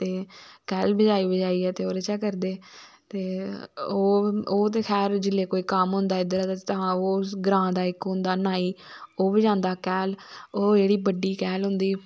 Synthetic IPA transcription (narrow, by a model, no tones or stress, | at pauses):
t̪eːkɛːlbəd͡ʒaːiːbəd͡ʒaːiːɛːt̪eːoːɾət͡ʃɛːkəɾd̪eː | t̪eːoːoːt̪̬eːkʰɛːɾd͡ʒɪlːeːkoːiːkamɦʊ̃nd̪aːɪd̪əɾad̪aːt̪aãoːɡɾãːd̪aːɪkɦʊ̃nd̪aːnaːiːoːbəd͡ʒãːnd̪aːkɛːloːd͡ʒeːɽiːbəɖiːkɛːlɦʊ̃nd̪iː